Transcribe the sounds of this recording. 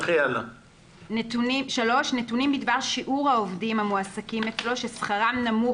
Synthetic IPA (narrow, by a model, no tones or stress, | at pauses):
χiala | ntʃalo̞ʃnetunimbidbaʁʃiʔuʁhaovdimhamuasakimet͡slo̞ʃesχaʁamnamu